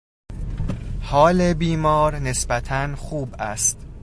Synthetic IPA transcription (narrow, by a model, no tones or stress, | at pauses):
hɒːlebiːmɒːɾne̞sbæt̪ʰænxuːbæst̪